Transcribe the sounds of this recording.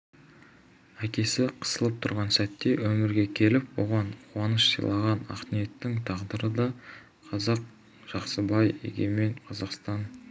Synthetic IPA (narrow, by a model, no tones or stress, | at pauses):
ækʲe̞sɪqʰə̥səlˠəp̚t̪ʰʊ̰ɾʁɑnsæt̪ːe̞wɵmɪɾɡʲe̞kʲʰe̞lɪpwo̞̰ʁɑnqʰʊɑnəʃsḭjlˠɑʁɑnɑ̰qnije̞t̪ːɪŋt̪ʰɑʁd̪əɾəd̪ɑ | qʰɑzɑq̚ | ʒ̥ɑqsəbɑjḛɡʲeme̞ɴqʰɑzɑqst̪ɑn